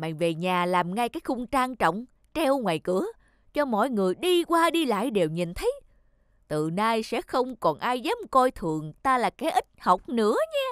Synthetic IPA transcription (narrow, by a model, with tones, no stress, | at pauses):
ma̰ː˧˨ŋve˨˩ɲaː˨˩laː˨˩mŋa˧jkaː˨˦jxʊ˧ŋ͡mt͡ɕaː˧ŋt͡ɕə̰˧˨wŋ͡m | t͡ɕɛ˧wŋwa̰ː˨˩jkɨ˧˥ə | t͡ɕɔ˧mɔ̰˧˨jŋɨ˨˩əjɗi˧kwaː˧ɗi˧la̰ː˧˨jɗe˨˩wɲi˨˩nt̪ʰə˨˦j | t̪ɨ˨˩naː˧jsɛ̰˧˥xə˧wŋ͡mkɔ˨˩nʔaː˧jzaː˨˦˥mkɔ˧jt̪ʰɨ˨˩əŋt̪aː˧laː˨˩kaː˨˦jʔï˦˥t̟̚hə˨˩wk͡p̚nɨ̰˧˥əɲaː˧